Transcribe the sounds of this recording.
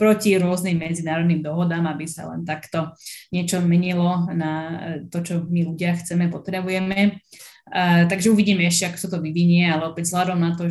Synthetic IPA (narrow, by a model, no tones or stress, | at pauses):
pɾɔciɾʊɔznimːɛd͡zinaːɾɔd̪nimd̪ɔɦɔd̪aːmabisa̰lɛ̰nt̪akt̪ɔɲɪɛt͡ʃɔmɛɲilɔnat̪ɔt͡ʃɔmiluɟɪaxt͡sɛmɛpɔt̪ɾɛbujɛmɛ | t̪aɡʒɛuʋiɟiːmɛɛʃcɛakɔ̥sat̪ɔʋiʋiɲɪɛalɛɔpɛɟzɦlad̪ɔmnat̪ɔ